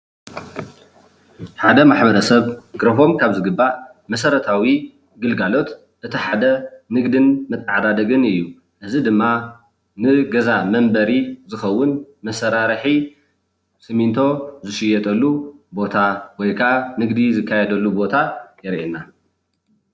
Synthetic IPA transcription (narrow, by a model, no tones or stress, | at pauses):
ħad̪ɐmaħbɐɾɐsɐβɡɾɐfo̞mkʰaβzɨɡɨbːa | mɐsɐɾɐt̪ʰawi | ɡɨlɡalo̞t̪ | ʔɨt̪ʰiħad̪ɐnɨɡd̪ɨnmɨt̪ʼːaʕad̪ad̪ɐɡɨnɨjːu | ʔɨzid̪ɨmːa | nɨɡɐzamɐmbɐɾizɨxɐwːʊnmɐsɐɾaɾɨħi | sɨmint̪ʰo̞zɨʃɪjɛt̪ʼɐlːubo̞t̪ʰawɔjkʰaʔanɨɡd̪izɨkʰːajɛd̪ɐlːubo̞t̪ʰajɛɾʔena